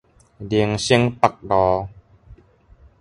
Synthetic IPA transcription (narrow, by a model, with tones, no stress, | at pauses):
di˧əŋsi˦˥ŋpa˨˩k̚dɔː˨˧